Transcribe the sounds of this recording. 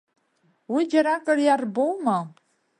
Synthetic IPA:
wid͡ʒaɾakʼərjarbowma

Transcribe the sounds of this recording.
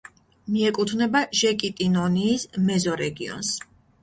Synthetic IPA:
miɛkʼut̪ʰvnɛbaʒɛkʼit̪ʼinɔniːsmɛzɔɾɛɡḭɔ̰ns

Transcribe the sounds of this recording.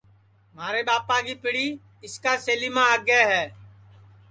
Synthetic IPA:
maːɾeːɓaːpaːkiːpɪɽiː | ɪskaːseːliːmãːəɡeːɦɛː

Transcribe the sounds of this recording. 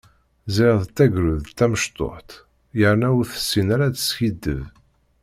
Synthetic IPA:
ziʁðt̪ːæɡɾuðt̪ːæməʃt̪ˤo̰ħt̪ | jəɾnæuɾθə̥sːinaɾat͡sə̥sçid̪ːə̰v

